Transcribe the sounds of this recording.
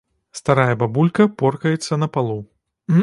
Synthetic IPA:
st̪aɾajɐbabulʲkɐpɔrkɐjɛt̪sːɐnɐpalˠu

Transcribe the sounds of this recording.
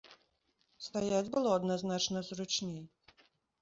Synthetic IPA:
st̪ajad͡zʲbɨlˠɔɐd̪naznat͡ʂnɐzrut͡ʂnʲej

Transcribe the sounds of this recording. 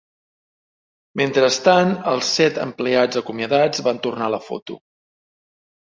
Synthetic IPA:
ment̪ɾəst̪anəlˠsɛt̪ə̰mplead͡zəkumjəðad͡zβant̪urnaləfo̰t̪ṵ

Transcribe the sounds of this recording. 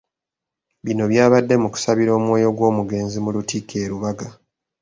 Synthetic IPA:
βino̞βjaːβadːe̞muku̥saβiɾo̞ːmwo̞ːjo̞ɡwo̞ːmuɡe̞ːnzimulutikʰeːɾuβaɡa

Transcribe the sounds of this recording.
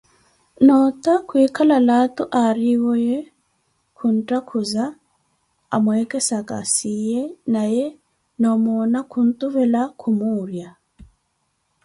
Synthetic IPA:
nɔt̪akwikalalatuʔaɾiwɔjɛ | kʰuntakʰuza | amwekɛsaka̰sijɛnajɛ | nɔmonakun̩t̪uβɛlakʰumuːɾja

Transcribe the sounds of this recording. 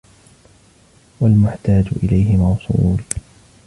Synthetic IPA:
walmʊħt̪aːd͡ʒʊ̰ʔɪlajɦɪmɑwsˤuːl

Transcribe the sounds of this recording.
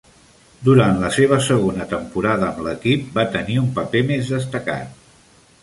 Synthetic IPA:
d̪uɾant̪ləseβ̞əsəɣ̞onət̪əmpuɾaðəːmləkip̚bat̪əniumpəpemezðəst̪əka̰t̪̚

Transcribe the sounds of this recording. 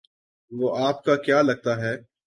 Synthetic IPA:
ʋoːaːpkakjaːlɐɡ̚t̪aɦɛː

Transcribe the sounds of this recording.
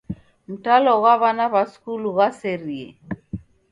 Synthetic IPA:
m̩talɔɣwaβanaβaskuluɣasɛɾiɛ̰

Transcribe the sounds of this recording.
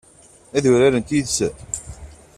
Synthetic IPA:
æðʊɾaɾənt̪iðsə

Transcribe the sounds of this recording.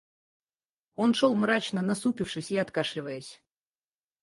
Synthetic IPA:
o̞nʂolˠmɾat͡ɕnənɐsupʲɪfʂɨsʲiɐt̪kaʂlʲɪvəjəsʲ

